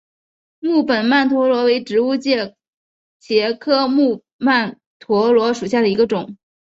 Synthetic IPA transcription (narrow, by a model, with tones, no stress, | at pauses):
mu˥˩pə˨˩nma˥˩nt̪ʰwɔ˧˥lwɔ˧˥we˧˥ɪʈ͡ʂɻ̩˧˥u˥˧t͡ɕjɛ˥˩ | t͡ɕjɛ˧˥kʰɤ˥mu˥˧ | ma˥˩n | t̪ʰwɔ˧˥lwɔ˧˥ʂu˨˩ɕja˥˩d̪ə˩i˧˥ɡə˧ʈ͡ʂʊ˨˩˦ŋ